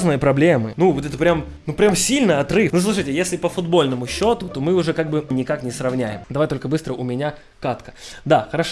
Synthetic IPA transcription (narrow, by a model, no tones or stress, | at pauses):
znɨjəpɾɐblʲemɨnuvot̪ɛt̪əpɾʲam | nupɾʲamsʲilʲnɨjɐt̪rɨfnuslˠuʂɨjtʲɪjesʲlʲɪpəfʊd̪bo̞lʲnəmʊɕːo̞t̪ʊt̪o̞mɨʊʐɛkaɡ̚bɨnʲɪkaknʲɪsrɐvnʲæjɪmd̪ɐvajt̪olʲkəbɨst̪ɾəʊmʲɪnʲa | kat̪kə̥d̪axəɾɐʂ